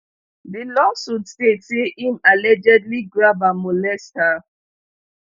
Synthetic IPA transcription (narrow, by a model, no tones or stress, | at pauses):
dilɔsudsesiimalɛd͡ʒɛdliɡɾabamolɛstha